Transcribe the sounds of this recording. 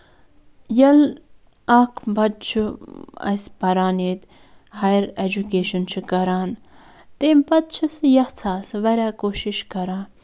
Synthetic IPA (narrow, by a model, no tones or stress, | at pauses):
jɐl | ɐkʰbɐt̪̚t͡ʃʰuɐ̰spɐɾaːneːt̪ | hajəɾed͡ʒukeːʃɐnt͡ʃʰukɐɾaːn | t̪eːmbɐt̪̚t͡ʃʰisjɐht͡sʰaːsʋɐɾʲaːkoːʃiʃkɐɾaːn